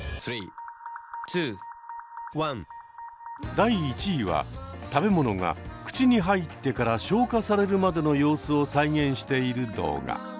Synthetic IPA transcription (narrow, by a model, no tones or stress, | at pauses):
sɾiː | t̪ʰɨː | wãn | d̪aiːt͡ɕiːβa̰t̪abe̞mo̞no̞ɡa̰kɯ̟̥t͡ɕiɲ̟iɦait̪ːe̞kaɾaɕo̞ːkasaɾe̞ɾɯ̟mad̪e̞no̞jo̞ːsɨo̞saiɡẽ̞ɰ̃ɕi̥t̪e̞iɾɯ̟d̪o̞̰ːɡa̰